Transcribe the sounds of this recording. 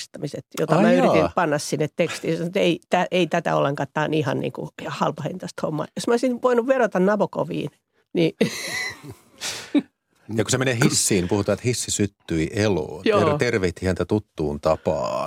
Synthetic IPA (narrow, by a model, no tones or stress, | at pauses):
st̪ɑmiset̪jo̰t̪ɑmæːyɾit̪ipɑnːɑssinːet̪t̪ekst̪iːjɑsɑnt̪eit̪æʔeit̪æt̪æ̰o̰lːeŋkɑːt̪t̪ɑːnihɑnnḭːŋkṵɑhɑlpɑhḛnt̪ɑst̪homːɑ̰ːjosmæoisinʋoinuʋʋerot̪ɑnnɑpoko̰ʋḭːn | ni | jɑkusemenehisːiːnipuhut̪ɑet̪hisːisyt̪ːyiʔelo̰ːnjot̪erʋeht̪ihænt̪æt̪ut̪ːuːnt̪ɑpɑ̰ː